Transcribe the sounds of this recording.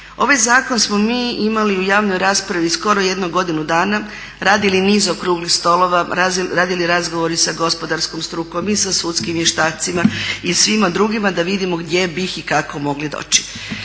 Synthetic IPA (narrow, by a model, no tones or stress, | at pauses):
o̞ʋajzaːko̞nsmo̞miːimaliujaːʋno̞jɾaːspɾaʋisko̞ɾo̞je̞d̪noɡo̞d̪inud̪aːna | ɾaːd̪iliniːzokɾuːɡlixst̪o̞lo̞ʋaaɾaːd̪iliɾazɡo̞ʋo̞ɾisaɡo̞spo̞d̪aɾskomst̪ɾuko̞misasuːt̪skimjeʃt̪aːt̪simaisʋimad̪ɾuːɡimad̪aʋid̪imoɡd̪je̞bixikako̞mo̞ɡlid̪o̰ːt͡ʃi̥